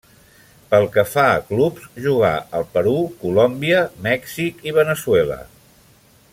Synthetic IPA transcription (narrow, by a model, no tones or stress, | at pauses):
pəlˠkəfaə̰klupsʒuɣ̞a̰ʔəlˠpəɾukulɔmbiəmɛksikiβənəswɛlə̰